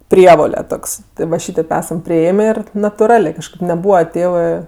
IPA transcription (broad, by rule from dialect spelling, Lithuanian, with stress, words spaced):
ˈpʲrʲiɛʋoːlʲɛ ˈtoːks ˈtʲɪ ʋɐ ˈʃʲiːtʲeːp ˈæːsɐm pʲrʲɪˈeːmʲeː ˈɪr nɐtʊˈrɑːlʲeː kɐʃˈkɐɪp nʲɛˈbuːʋɐ ˈtʲeːʋɜ